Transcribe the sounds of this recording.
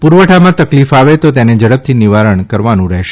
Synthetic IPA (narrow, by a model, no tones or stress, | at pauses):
puɾʋəʈʰamãt̪əklifaʋet̪ot̪ened͡ʒəɽəp̚t̪ʰiniʋaɾəɳkəɾʋanũɾɛɦʃe